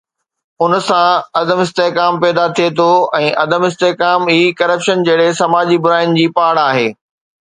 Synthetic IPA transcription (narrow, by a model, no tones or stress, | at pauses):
ʊnsãɐd̪əmɪst̪eːɦkaːmpɛːd̪at̪ʰiet̪ʰoɛ̃ːʔɐd̪əmɪst̪eːkaːmiːkɐɾəpʃənd͡ʑɐːɪɽesɐmaːd͡ʑibʊɾaːɪnɪ̆d͡ʑiːpaːɽ̃aːɦeː